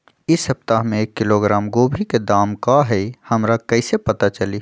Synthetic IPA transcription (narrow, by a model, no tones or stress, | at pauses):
ɪsəp̚t̪aɦmẽekːɪloɡɾaːmɡoːbʱiked̪aːmkaɦɛihɐmɾakɐɪsepɐt̪at͡ʃɐli